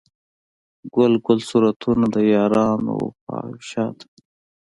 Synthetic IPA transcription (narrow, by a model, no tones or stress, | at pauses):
ɡʊlɡʊlsuɾat̪ʰunad̪əjɑːɾɑːno̰pa̰ːʃɑːt̪